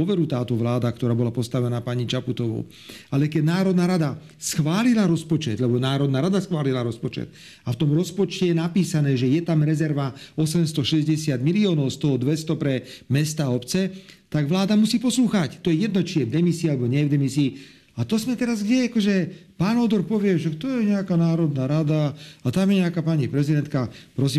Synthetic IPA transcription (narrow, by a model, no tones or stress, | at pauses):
ɔʋɛɾut̪aːt̪ɔʋlaːd̪ak̚t̪ɔɾaːbɔlapɔst̪aʋɛnaːpaɲit͡ʃaput̪ɔʋɔ̰ʊ | alɛkɛd̪naːɾɔd̪naːɾad̪a | sxʋaːlilaɾɔspɔt͡ʃɛd̪lɛbɔnaːɾɔd̪naːɾad̪asxʋaːlilaɾɔspɔt͡ʃɛ̰t̪ | aft̪ɔmɾɔspɔt͡ʃcɛjɛnapiːsanɛːʒɛjɛt̪amɾɛzɛɾʋaɔsɛmst̪ɔʃɛzɟɛsɪad̪miliɔːnɔʊst̪ɔɦɔd̪ʋɛst̪ɔpɾɛmɛst̪aɔpt͡sɛt̪aɡʋlaːd̪amusiːpɔsluːxact̪ɔjɛjɛd̪̚nɔt͡ʃijɛvd̪ɛmisiːalɛbɔɲɛjɛvd̪ɛmisiː | at̪ɔzmɛt̪ɛɾazɡɟɛakɔʒɛpaːnɔd̪ɔɾpɔʋɪɛʃakt̪ɔjɛɲɛakanaːɾɔd̪naːɾad̪aat̪amjɛɲɛakaːpaɲipɾɛzid̪ɛnt̪̚kapɾɔsiːm